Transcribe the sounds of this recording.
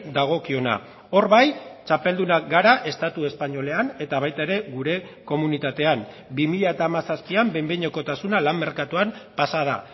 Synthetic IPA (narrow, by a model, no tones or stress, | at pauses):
d̪aɣ̞o̞kio̞na̰ | o̞ɾβajt͡ʃape̞ld̪unaɡaɾaʔe̞st̪at̪ue̞spaɲo̞le̞ane̞t̪aβ̞ajt̪aeɾe̞ɣuɾe̞ko̞munit̪at̪e̞am | bimiʎae̞t̪aːmasaspiambe̞mbeɲoko̞t̪asunalamːe̞ɾkat̪uampasað̞a̰